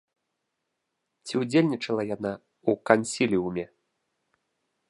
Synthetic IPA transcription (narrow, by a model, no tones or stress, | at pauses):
t͡sʲiwd͡zʲelʲnʲit͡ʂɐlˠɐjana | ukanʲsʲilʲiumʲɛ